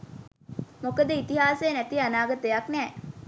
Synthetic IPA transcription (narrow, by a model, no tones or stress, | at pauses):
mokəd̪əit̪iɦaːsejənæt̪ianaːɡət̪əjaknɛː